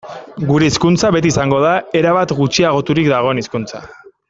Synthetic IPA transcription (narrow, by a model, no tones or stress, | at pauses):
ɡuɾe̞iskunt͡saβe̞t̪̬iːsaŋɡo̞ð̞ae̞ɾaβat̪ɡut͡ʃiaɣ̞o̞t̪uɾikd̪aɣ̞o̞eniskunt͡sa̰